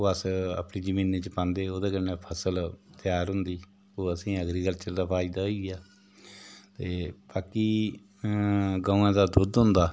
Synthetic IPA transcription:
oːəsə̰pniːd͡ʒəmĩːneːt͡ʃpãːnd̪eːoːd̪eːkəneːpʰəsəlt̪ɪjaːɾɦʊ̃nd̪iː | oːəsĩːəɡɾiːkəlt͡ʃəɾd̪aːpaːiːd̪aːɦoiːaː | t̪eːbaːkiː | ɡaːũãːd̪aːd̪ʊd̪ɦʊ̃nd̪aː

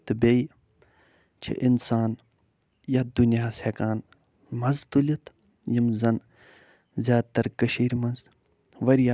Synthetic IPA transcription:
t̪bej | t͡ʃʰḭʔinsaːn | jɐd̪unijaːseːkaːn | mɐzt̪ulʲit̪ | jimzɐn | zʲjaːd̪̚t̪ɐɾkəʃiːɾmɐnz | ʋɐɾjaː

